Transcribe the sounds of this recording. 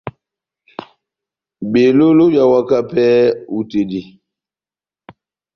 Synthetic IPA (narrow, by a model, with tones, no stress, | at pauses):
be˨lo˦lo˦ja˨wa˦ka˦pɛː˦u˨te˨di˨